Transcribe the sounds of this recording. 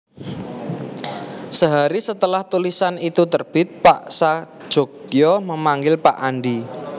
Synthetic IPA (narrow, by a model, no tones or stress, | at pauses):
səɦaɾisət̪əlaht̪ulisanit̪ut̪ərb̥ɪt̪̚paʔsḁ | ʒ̥o̤ɡjɔməmaŋɡɪlpaʔanɖi